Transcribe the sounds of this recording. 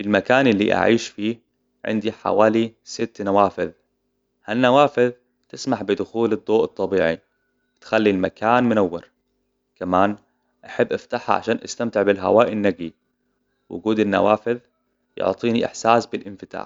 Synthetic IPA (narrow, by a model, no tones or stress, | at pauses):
fɪlmakaːnɪlːḭʔa̰ʕiːʃfiː | ʕɪ̰nd̪iħa̰waːlisɪt̪ːnawaːfɪð | hanːawaːfɪð | t̪ɪsmaħbɪd̪ʊxuːlɨd̪ˤːoːʔɨt̪ˤːɑbiːʕḭ | wɪt̪xalːilmakʰaːnmʊnawːɪ̰ɾ | kamaːn | ʔaħabːʔaft̪aħha̰ʕa̰ʃaːnʔa̰st̪amt̪ɪʕbɪlɦa̰waːʔɪnːaɡi | wʔʊ̰ɡuːd̪ɪnːa̰waːfɪð | jʊ̰ʕt̪ˤiːniʔɪ̰ħsaːsbɪlʔɪnfɪt̪a̰ːħ